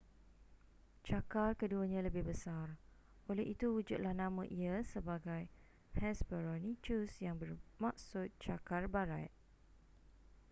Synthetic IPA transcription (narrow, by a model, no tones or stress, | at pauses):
t͡ʃakarkəduəɲãləbɪhbəsar | ʔolɛhit̪uhud͡ʒut̪̚lahnãmãʔiasəbaɡaj | hɛsbəɾɔnĩt͡ʃusjaŋbərmãk̚sʊt̪̚t͡ʃakarbaɾaj̚